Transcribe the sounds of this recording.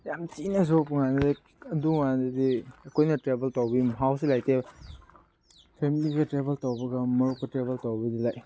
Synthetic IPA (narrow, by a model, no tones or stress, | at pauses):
jamtinɐzopŋanɐdi | ɐduŋandɐdiɐkʰojnɐtɾebeltawbimɦawsilajtʰe | pʰemiliɡɐtɾebeltawbɐɡɐmɐɾuk̚pɐtɾebeltawbɐdilaj